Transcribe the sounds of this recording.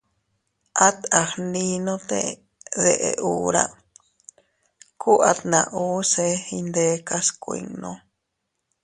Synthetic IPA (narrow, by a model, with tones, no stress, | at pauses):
ʔa˦t̪a˨hnĩnõ˦t̪e | ðeʔeʔuː˦ɾa̰ | ku˦ʔat̪nã˨ʔuː˦se˦ind̪e˦ka˦skʷḭ˧ŋnõ